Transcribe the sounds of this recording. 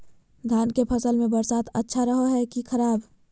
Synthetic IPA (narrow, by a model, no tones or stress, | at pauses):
ɡ̪ʱaːnkepʰɐsəlmẽbɐɾsaːt̪ʰə̰tːʃʰaɾəɦoɦɛkikʰɐɾaːb